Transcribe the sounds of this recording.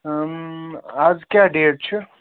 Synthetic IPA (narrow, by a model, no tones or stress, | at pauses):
azkjaɖeːʈ̚t͡ʃʰə